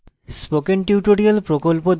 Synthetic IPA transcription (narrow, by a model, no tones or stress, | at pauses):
spokenʈiuʈoɾialpɾokolpod̪